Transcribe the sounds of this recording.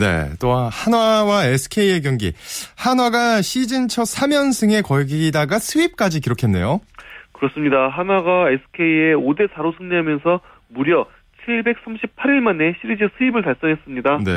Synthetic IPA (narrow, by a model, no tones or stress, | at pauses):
ne̞̰t͈ohanwawaesʰɯ̥kʰe̞ie̞ɡjʌŋɡḭhanwaɡaɕʰid͡ʑint͡ɕʰʌsʰamjʌnsʰɯŋe̞kʌɭɡidaɡasʰɯip̚k͈ad͡ʑikiɾokʰe̞nːe̞̰jokɯɾʌs͈ɯmɲidaɦanwaɡaesʰɯ̥kʰe̞ieode̞sʰaɾosʰɯŋɲeɦamjʌnsʰʌ | muɾjʌ | t͡ɕʰiɭbe̞k̚s͈amɕʰipʰaɾiɭmane̞ɕʰiɾid͡ʑisʰɯibɯɭtaɭs͈ʌnɦe̞s͈ɯmɲidane̞̰